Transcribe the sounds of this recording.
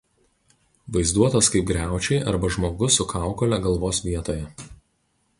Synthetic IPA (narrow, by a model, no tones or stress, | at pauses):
ʋɐɪzd̪uɔt̪ɐskɐɪp̚ɡɾʲæˑʊt͡ʃʲɛɪʔɐɾbɐʒmoːɡʊsʊkʰɑˑʊkɔlʲɛɡɐlˠʋoːsʋʲiɛt̪oːjɛ